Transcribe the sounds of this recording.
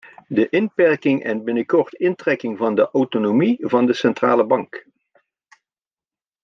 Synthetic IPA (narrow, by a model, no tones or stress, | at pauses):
dəʔɪnpɛɹkɪŋɛ̰nbɪnəkɔɹtɪntrɛkɪŋvɑndəʔowtonomivɑndəsɛntraːləbɑŋk